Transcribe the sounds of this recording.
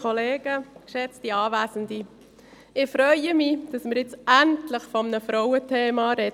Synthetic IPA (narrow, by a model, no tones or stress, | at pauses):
ɔleːɡ̥əkʃɛt͡stiɑːvæːsəndi | ɪfɾœʏəmid̥ɑsmɪɾɪt͡sæntləχfɔmnəfɾɔwətʰeːmɑɾɛ